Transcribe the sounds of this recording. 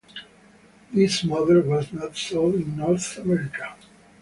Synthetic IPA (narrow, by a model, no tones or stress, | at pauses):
ðismʌðəɹwɔznɔtsoĩnːɔɹθəmɛɾikḁ